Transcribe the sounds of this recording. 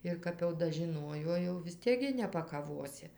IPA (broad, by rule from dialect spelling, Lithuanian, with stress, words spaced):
ɪr ˈkɐp jɛʊ dɐʒʲɪˈnuɔjoː jɛʊ ʋʲɪs ˈtʲiɛk ɡʲɪ nʲɛpɐkɐˈʋoːsʲɪ